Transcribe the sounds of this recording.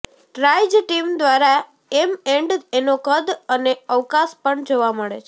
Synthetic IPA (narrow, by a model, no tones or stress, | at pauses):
ʈɾajd͡ʒʈimd̪ʋaɾa | emeɳɖenokəd̪əneəʋkaspəɳd͡ʒoʋaməɭet͡ʃʰe